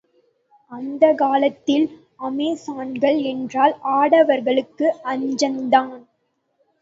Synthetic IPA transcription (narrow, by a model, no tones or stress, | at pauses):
ɐnd̪ɐkaːlɐt̪ːɪl | ɐmeːsaːnɡɐɭɛndraːlaːɽɐʋɐɾɣɐɭɯkːɯʔɐɲd͡ʒɐnd̪aːn